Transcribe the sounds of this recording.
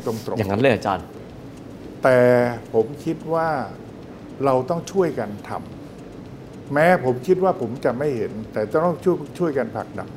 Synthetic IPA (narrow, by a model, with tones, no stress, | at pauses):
t̪ɾo˧ŋt̪ɾo̰˨˩jaː˨˩ŋːa˦˥nlɤː˥˩jʔa˧t͡ɕa̰ː˧n | t̪ɛː˨˩pʰo˩˦mkʰi˦˥t̪̚waː˥˩ | ɾa˧wt̪ɔ˥˩ŋt͡ɕʰu˥˩əjka˧nt̪ʰa̰˧m | ɛː˦˥pʰo˩˦mkʰi˦˥t̪̚waː˥˩pʰo˩˦mt͡ɕa˨˩ma˥˩jhe˩˦nt̪ɛː˨˩t̪ɔ˥ɔ˥˩ŋt͡ɕʰu˥t͡ɕʰu˥˩əjka˧npʰa̰˨˩k̚na̰˨˩k̚